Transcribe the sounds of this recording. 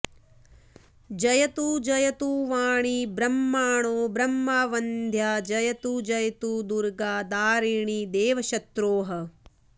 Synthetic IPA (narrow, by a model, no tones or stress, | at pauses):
d͡ʒɐjɐt̪uːd͡ʒɐjɐt̪uːʋaːɳibɾɐmːaːɳoːbɾɐmːaːʋɐnd̪ʱjaːd͡ʒɐjɐt̪ud͡ʒɐjɐt̪uːd̪uɾɡaːd̪aːɾiːɳid̪eːʋɐʃɐt̪ɾoːɦɐ